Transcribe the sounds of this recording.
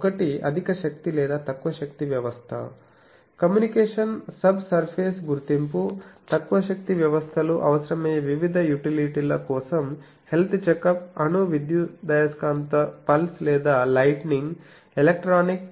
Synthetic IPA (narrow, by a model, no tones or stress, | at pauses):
ɔkɐʈiɐ̰d̪ʱikɐʃɐkt̪ilɛːd̪aːt̪ɐkːʋɐʃɐkt̪iʋjɐʋɐst̪ʰɐ̰ | kɐmjuːnikeːʂɐnsɐbʱsɐɾpʰeːsɡuɾt̪imput̪ɐkːʋɐʃɐk̚t̪iʋjɐʋɐst̪ʰɐluʔɐ̰ʋɐsɐɾɐmɛːjɐʋiʋid̪ʱɐjuʈiliʈilɐkɔːsɐm | he̞lt̪ʰt͡ʃekɐpɐnuʋid̪jud̪ɐjɐskaːnt̪ɐpɐlslɛːd̪aːlɐjʈniŋɡ | elek̚ʈɾaːnik